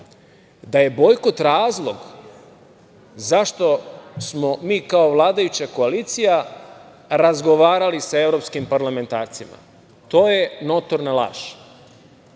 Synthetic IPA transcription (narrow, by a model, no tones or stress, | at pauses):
d̪aje̞bo̞jkot̪ɾaːzlˠo̞ɡ | zaʃt̪o̞smo̞miːkao̞ʋlˠaːd̪ajut͡ɕako̞aliːt̪sija | ɾazɡo̞ʋaːɾalisae̞vɾo̞pskimpaɾlˠame̞nt̪aːɾt̪sima̰ | t̪oːje̞not̪oɾnalˠa̰ːʃ